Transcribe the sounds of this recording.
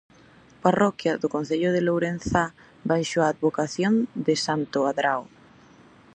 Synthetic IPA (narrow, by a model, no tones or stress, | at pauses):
parɔkjaðʊkõnθeʎʊðɪlowɾenθa | bajʃoaːd̪βokaθjond̪ɪsant̪ʊaðɾaw